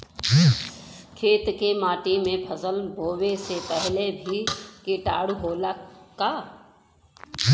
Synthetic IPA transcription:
kʰeːt̪kemaːʈimẽpʰəzəlbʱoːʋesepɛɦlebʱikeʈa̰ːɽɦoːlakaː

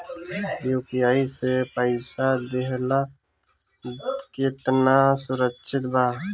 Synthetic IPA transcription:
joːpijaːisepəɪsad̪eɦla | ket̪nasʊɾəkʃʰɪt̪baː

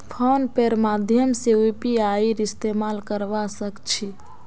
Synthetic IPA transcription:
pʰonpeɾmad̪ʱjəmseupiaiɾist̪emalkəɾʋasəkt͡ʃʰi

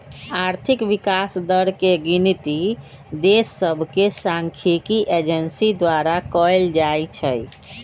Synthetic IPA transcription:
aɾt̪ʰikʋikasd̪əɾkeɡint̪i | d̪esːəbʱkesãŋkʰikiʔed͡ʒənsid̪waɾakɔjld͡ʒajt͡ʃʰəj

